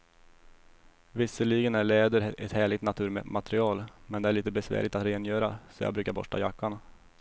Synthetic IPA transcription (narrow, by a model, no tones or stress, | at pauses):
vɪsːəɭiːɡənæɭɛːd̪əɾɛt̪hæːɭɪɡt̪nat̪ʰʉ̟ːɾmɛ̰mat̪ɾɪɑːlmɛnd̪ɛæɭiːt̪əbɛsvæ̰ːɭɪt̪at̪ɾeːnjœːɾa̰sɔjɑ̰ɡbɾʉ̟ːkaɾbɔ̰ʂʈa̰jakːaɳ